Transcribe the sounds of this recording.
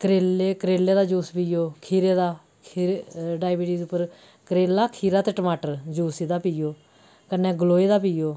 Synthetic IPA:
kəɾeːleːkəɾeːleːd̪aːd͡ʒuːspiːjoːkʰiːɾeːd̪aː | kʰiːeɖaːɪbiːʈiːd̪eʊpːəɾ | kəɾeːlaːkʰiːɾaːt̪eːʈəmaːʈəɾd͡ʒuːsiːd̪aːpiːoː | kənːɛ̃ːɡəloːeːd̪aːpiːjoː

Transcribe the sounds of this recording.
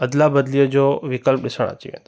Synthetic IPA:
əd̪labəd̪lijod͡ʒoʋɪkəlp̚ɗɪsəɳ̃a̰t͡ʃḭʋḛ̃n

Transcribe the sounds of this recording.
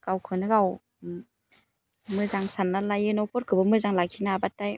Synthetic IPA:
ɡ̥awkʰɯnɯɡaw | mɯzaŋsanːalajenɔpʰɔɾ̚kʰɯbɯmɯzaŋlaɡʰinabataj

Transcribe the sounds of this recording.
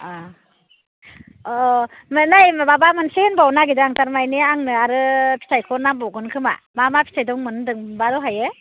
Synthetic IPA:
a | mɯnajmbabamɯnsehenbawnaɡidaŋtaɾmajneaŋnɯaɾɯpʰi̥sʰajkʰɔɾnambɔwɡɯnkʰɯma̰mamapʰi̥sajdɔŋmɯndɯŋbadɔɦajɯ

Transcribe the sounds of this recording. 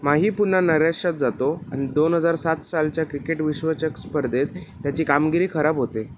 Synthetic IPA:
maɦiːpun̤ːanəɾeʂat̪̚d͡zat̪oa̰ɽ̃id̪onɦəd͡zaɾsat̪salt͡ɕjakɾikeʈʋiɕʋət͡ɕəkspəɾd̪ʱet̪ːjat͡ɕiːkamɡiɾiːkʰəɾabɦot̪e

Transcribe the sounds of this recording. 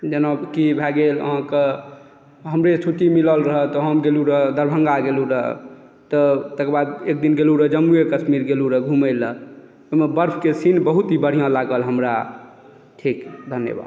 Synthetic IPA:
d͡ʒənabkibʱɛɡelə̰ɦãke | ɦəmɾet͡ʃʰuʈimiləlɾəɦət̪ɔɦəmɡeluɾəɦd̪əɾbʱəŋɡaɡeluɾəɦ | t̪ɔt̪əkbad̪ek̚d̪inɡeluɾəd͡ʒəmːuekəsmiɾɡeluɾəɡʱumələ | omebəɾpʰkesinbəɦut̪ɦibəɽ̤ijãlaɡəlɦəmɾa | ʈʰikd̪ʱənjə̰ba̰d̪

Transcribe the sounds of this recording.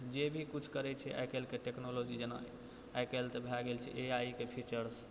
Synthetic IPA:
d͡ʒebʱikut͡ʃʰkəɾɛt͡ʃʰɛʔa̰jkelkeʈeknolod͡ʒid͡ʒena̰ | akelt̪ebʱaɡelt͡ʃʰɛ̰ʔeaikepʰit͡ʃəɾs

